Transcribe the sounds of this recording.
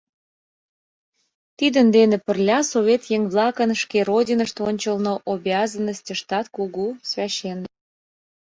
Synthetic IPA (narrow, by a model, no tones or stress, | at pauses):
t̪id̪ənd̪enĕpə̆rlʲɑsoβʲet̪jeŋβlɑkənʃkeɾodʲinəʃt̪onʲt͡ɕəlnoʔobʲɑzənːəsʲtʲəʃt̪ɑt̪kuɣusβʲɑɕen